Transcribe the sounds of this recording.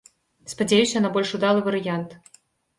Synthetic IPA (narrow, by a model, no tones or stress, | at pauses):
spad͡zʲajusʲɐnabɔlʲʂud̪alˠɨvɐɾɨjant̪